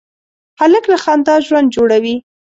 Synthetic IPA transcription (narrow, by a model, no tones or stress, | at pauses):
haləklaxɑnd̪ɑʒwand̪̚d͡ʒoɽawi